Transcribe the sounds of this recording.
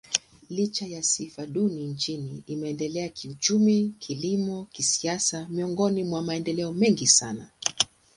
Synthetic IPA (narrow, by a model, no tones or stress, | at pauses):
lit͡ʃajasifaɗunint͡ʃiniːmɛɛndɛlɛakʰiut͡ʃumikʰilimɔkisiasamiɔŋɡɔnimwamaɛndɛlɛɔmɛŋɡisana